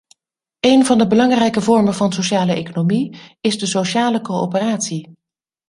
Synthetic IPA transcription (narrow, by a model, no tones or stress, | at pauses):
ejnvɑndəbəlɑŋrɛjkəvɔɹmənvɑnsoʃaːləʔejkonomiɪzdəsoʃaːləkowo̰pəraːtsi